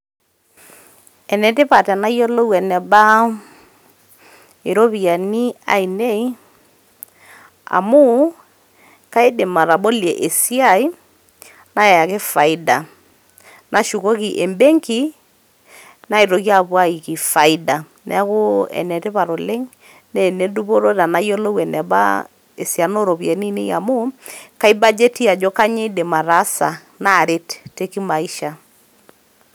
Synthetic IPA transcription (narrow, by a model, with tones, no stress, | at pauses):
ɛ˨nɛ˨tɪ˦pa˨tɛ˨na˦jɔ˦lo˦wɛ˨nɛ˨ba˦ | ɪ˨ɾo˦pi˨ja˨ni˦a̰˨i˨ne˦i˦ | a̰˨mʊ˦ | ka˦e˦de˨ma˨ɾa˨bo˦ljɛ˨ʔe˨si˦a˦˨ɪ˦ | na˦jɛ˨ja˨kɪ˦fa˨ɪ˦da˨ | nʔa˨ʃu˨ko˦ki˨ʔe˨mbe˦ŋki˦ | na˦i˨ɾo˨ki˦a˦βwa˦i˨ki˨fa˨i˦da˨ | nɛ˦ko˦ɛ̰˨nɛ˨te˦βa˨ɾo˨le˦ŋ | ne˨ne˦du˦βo˦ɾo˦ɾa˨na˨jo˦lo˦wɛ˨nɛ˨ba̰˦ | e˨sja˨no˦ɾo˨βjɛ˨ni˦nḛ˦ja˨mo˦ka˦i˦ba˦d͡ʒe˦ti˦a˨d͡ʒo˦ka˦ɲe˦de˨ma˨ɾa˦sa˨ | na˦˨ɾe˦tte˦ki˦ma˨i˦ʃa˨